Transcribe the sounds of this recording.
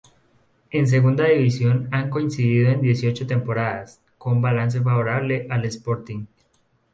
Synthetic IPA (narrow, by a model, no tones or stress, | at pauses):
e̞ns̬e̞ɣund̪aðiβisjo̞naŋko̞insiðiðo̞end̪je̞s̬io̞t͡ʃo̞t̪e̞mpo̞ɾaðas | ko̞mbalans̬e̞faβo̞ɾaβle̞ʔale̞spo̞ɾt̪iŋ